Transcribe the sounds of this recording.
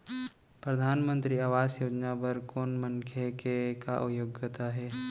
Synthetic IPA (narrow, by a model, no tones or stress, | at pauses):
pɾɐd̪ʱaːnmə̃nt̪ɾiaːʋaːsjoːd͡ʒnapɐɾkoːnməŋkʰekekaʔʊjoɡjət̪aɦɛː